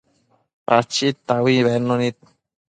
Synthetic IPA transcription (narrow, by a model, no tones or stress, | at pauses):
pat͡ʃit̪ːawiβɛnːonit̪̚